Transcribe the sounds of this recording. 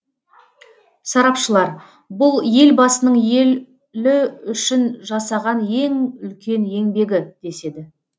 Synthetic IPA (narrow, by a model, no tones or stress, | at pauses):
sɑɾɑpʃəlˠɑɾ | bʊlˠje̞lbɑsənəɴje̞l | lɪʏʃɪnʒɑsɑʁɑnje̞ŋʏlkʲe̞nje̞ŋbe̞ɡʲɪd̪̥e̞se̞d̪ɪ